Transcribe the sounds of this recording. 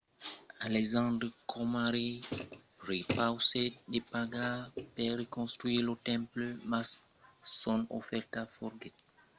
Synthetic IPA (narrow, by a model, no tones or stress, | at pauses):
alɛzɑ̃d̪ɾəkʰɔmaɾi | ɾepawsedepaɡapɛɾekɔ̃st̪ɾɥilotɛ̃mpləma | sɔno̰fɛrtafɔɾɡɛt̚